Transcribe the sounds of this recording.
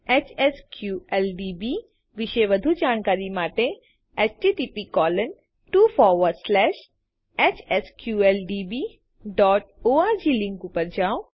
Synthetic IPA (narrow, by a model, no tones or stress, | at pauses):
eːt͡ʃeskjuɛlɖiːbi | ʋɪʃeʋɐd̪ʱud͡ʒaːnkaːɾimaːʈẽ | ɛːt͡ʃʈiːʈiːpikɔːlən | ʈuːfɔːɾʋəɾslɛːʃ | ɛːt͡ʃeskjuːelɖiːbiː | ɖɔːʈoːad͡ʑʱiːlɪ̃ŋkupəɾd͡ʒaːo